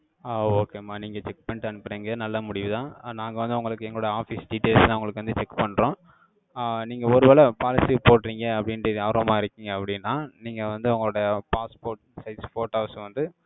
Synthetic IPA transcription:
aoːkeːmaːniːŋɡɐt͡ʃɛk̚pɐɳʈɐnɯpːɾeːŋɡɐnɐlːɐmʊɽɪʋɯðãːnaːŋɡɐʋɐnd̪ɯʊŋɡɐɭɯkːɯɛŋɡɐɭoːɽɐjɐaːfisɖiʈeːlsãːʊŋɡɐɭɯkːɯʋɐnd̪ɯt͡ʃɛkːpɐɳːɾõː | niːŋɡɐɔɾɯʋeːlɐpaːlɪsipoːʈːɾiːŋɡɐɐpːɐɽɪnɯðaːɾomaːɪɾɯkʲːiːŋɡɐɐpːɐɽɪnːãːniːŋɡɐʋɐnd̪ɯʊŋɡɐɭoːɽɐjɐpaːspoːɾʈsɐɪsfoːʈɐʊsʋɐnd̪ɯ

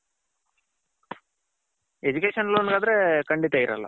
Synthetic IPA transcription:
ed͡ʒukeːʂɐnluɐnɡaːd̪ɐɾekɐɳɖit̪aiɾɐ̰lːɐ̰

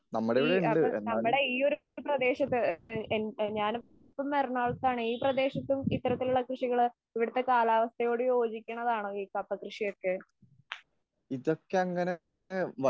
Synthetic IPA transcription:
nɐmːuɽeʋɽenɐmːɐɽe̞iːo̞ɾuuprɐd̪e̞ːɕɐt̪ːɨenɲaːn | pːɐmːɐrɐnaːɭt̪ːaːɳɨiːprɐd̪e̞ːɕɐt̪ːumit̪ːɐɾɐt̪ːiluɭːɐkrɨʂiɣɐɭ | iʋiɽut̪ːe̞kaːlaːʋɐst̪ʰɐjo̞ːɽɨjo̞ːd͡ʑikʲːuɳːɐðaːɳoːiːkɐpːɐkrɨʂijo̞kːe | iðo̞kːeɐŋːɐne | ʋɐ

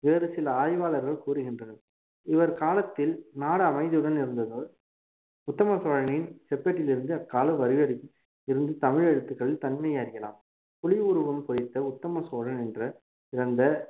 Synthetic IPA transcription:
ʋeːɾɯsɪlɐaːjʋaːlɐɾɣɐɭkuːɾɯɣɪndrɐnɐ | ɪʋɐɾkaːlɐt̪ːɪlnaːɽɐɐmɐɪðɯɯɽɐnɪɾɯnd̪ɐðɐ | ʊt̪ːɐmɐsoːɻɐnɪnsɛpːeʈːɪlɪɾɯnd̪ɯɐkːaːlɐʋɐɾɪʋɐɽɪ | ɪɾɯnd̪ɯt̪ɐmɪɻɛɽɯt̪ːɯkːɐɭɪlt̪ɐnmɐjaɾɪjɐla̰ːm | pʊlɪʊɾɯʋɐmpɔjɪt̪ːɐʊt̪ːɐmɐsoːɻɐnɛndrɐ | ɪɾɐnd̪ɐ

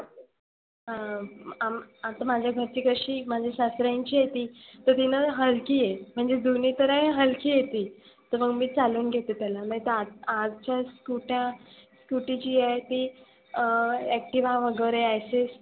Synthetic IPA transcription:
ɦãamat̪amad͡ʑʱjaɡʱəɾt͡ɕiːkəɕiːmad͡ʑʱeɕast̪ɾaɲt͡ɕiːjet̪iːt̪əɾt̪inəɦəlkiːjem̤əɳd͡zed̪unit̪əɾəɦəlkiːjet̪iː | t̪əməɡmiːt͡saluːnɡʱet̪et̪jalam̤ət̪eaad͡zt͡ɕaskuʈjãskuʈit͡ɕiːjejt̪iː | æk̚ʈiʋãʋəɡəʋɾeajses

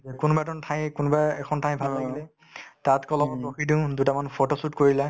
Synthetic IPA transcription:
zɛkunbatɔntʰãj̃kunbaɛkʰɔntʰãj̃bʱalaɡlɛ | tatkɔlɔoxidĩʊ̃dutamanpʰotosutkoɹilɛ

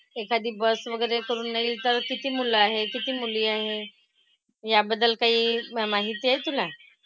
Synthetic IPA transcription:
ekad̪iːbəsʋəɡəjɾekəɾuːnːaiːlt̪əɾkit̪iːmulaɦekit̪iːmuliːaɦe | jabəd̪ːəlkaɦiːmaɦit̪iːaɦet̪ula

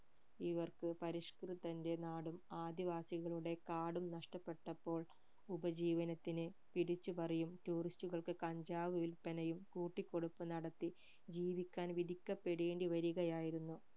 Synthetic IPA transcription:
iʋɐrkɨpɐɾiʂkrɨt̪ɐnde̞naːɽumaːd̪iʋaːsiɣɐɭuɽe̞kaːɽumnɐʂʈɐpːe̞ʈːɐpːo̞ːɭ | ubɐd͡ʑiːʋɐnɐt̪ːinɨ | piɽit͡ɕːupɐrɐjumtuːristuɣɐɭkɨkɐɲd͡ʑaːʋɐʋilpɐnɐjumkuːʈːikʲːo̞ɽupːɨnɐɽɐt̪ːi | d͡ʑiːʋikʲːaːnʋid̪ʱikʲːɐpːeɽeːɳɖiʋɐɾiɣɐjaːjiɾunːu

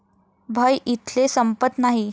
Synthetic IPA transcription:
bʱəjʔit̪lesəmpət̪naɦi

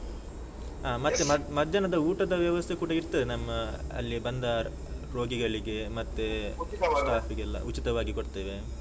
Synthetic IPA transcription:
aːmɐt̪ːeɐmɐd̪ʱjɐnɐd̪ɐuːʈɐd̪ɐʋjɐʋɐst̪ʰekuːɽɐiɾt̪ːɐd̪enɐmːɐɐ̰lːibɐnd̪aːɾ | pɾoːɡiɡɐɭiɡe̞mɐt̪ːesʈaːpʰiɡɛlːɐ̰ut͡ʃit̪ɐʋaːɡikoɽt̪eːʋe̞

